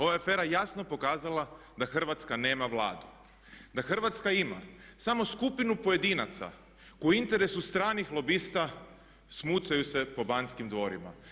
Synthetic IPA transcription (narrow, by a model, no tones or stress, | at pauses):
o̞ʋaafe̞ːɾajasno̞po̞kaːzalˠa | d̪axr̩ʋat̪skane̞ːmaʋlˠa̰ːd̪u | d̪axr̩ʋat̪skaima̰samo̞skupinupo̞je̞d̪inat̪sa̰ | kouint̪e̞ɾesust̪ɾaːnixlˠo̞bist̪a | smuːt̪sajuse̞po̞banskimd̪ʋo̞ɾima̰